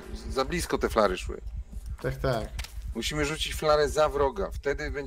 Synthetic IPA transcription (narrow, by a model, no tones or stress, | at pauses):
zablʲiskɔt̪ɛflaɾɘʂwɘ̰t̪ak̚t̪akmuɕimɘʐut͡ɕit͡ɕflaɾɛzavɾɔɡaft̪ɛd̪ɘbɛɲ